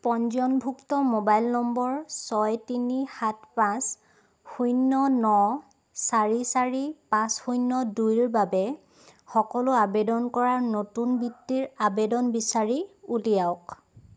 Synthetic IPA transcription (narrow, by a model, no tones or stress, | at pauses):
pɔnzɔnbʱuktɔmobajlnɔmbɔɹsɔjtinihatpãs | xujnːɔnɔ | saɹisaɹipãsxujnːɔdujɹbabɛ | xɔkɔlʊabedɔnkɔɹaɹnotunbitːiɹabedɔnbisaɹiulijaʊk